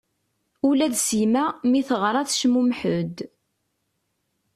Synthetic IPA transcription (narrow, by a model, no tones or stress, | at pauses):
ulæðsimæmiθəʁɾˤɑθʃmumħʊd̪